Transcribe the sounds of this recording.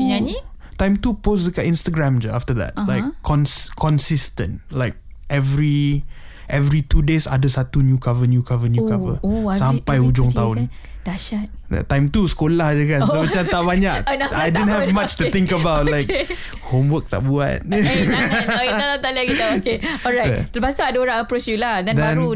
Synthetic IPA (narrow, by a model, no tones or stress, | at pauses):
ai | t̪ãjmt̪upos̬dəkaʔĩnst̪əɡɹãmd͡ʒaaft̪əd̪ɛ̰t̚laɪkʰːɔ̃nsʰɔ̃nsist̪ə̰̃ntlaɪk̚ | ʔɛvɹi | ʔɛvɹit̪udesa̰dəsat̪unjukavənjukavənjukavə̰sampajud͡ʒʊŋt̪aʊn | d̥aʃat̚dɛ̰t̪ːãjmt̪usə̥kolahad͡ʒakansomat͡ʃamt̪aʔbaɲak̚ajdidə̃nhɛvmat͡ʃt̪ut̪ɪ̃ŋkəbawt̚laɪk | homwək̚t̪a̰ʔbua̰t̚ | kaat̪aliakit̪aokeɔɹalbasaːdaoɾãŋəpɾot͡ʃjuladɛ̃nd̪bɛãnu